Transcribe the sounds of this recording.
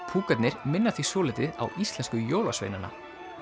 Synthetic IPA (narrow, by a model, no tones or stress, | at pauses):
pʰuːkat̪nɪɾ̥mɪnːaθisɔːlɪt̪ɪða̰wʔist̪lɛnskʏjoːwla̰svḛjnanːa̰